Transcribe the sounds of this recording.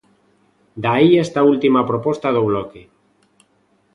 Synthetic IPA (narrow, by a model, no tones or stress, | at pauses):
d̪aiɛst̪ault̪imapɾopɔst̪að̞oβloke